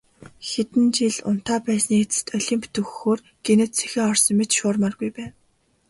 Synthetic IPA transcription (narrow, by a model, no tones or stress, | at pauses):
xet̪ɘ̆nt͡ɕiɮʊ̰n̥t̪aːpæːsniːet͡sɘ̥̆t̪ɔɮʲiːmpʰt̪ɵxxoːr | ɡ̥enɘ̆t̪t͡sʰe̥xeːɔrsɞ̆mmet͡ɕʃʊːrmarɡujpæːn